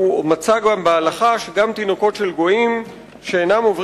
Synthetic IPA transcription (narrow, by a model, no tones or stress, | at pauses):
umat͡saɡambealaχaʃeɡamt̪inoko̞tʃe̞lɡo̞im | ʃeenamo̞vʁ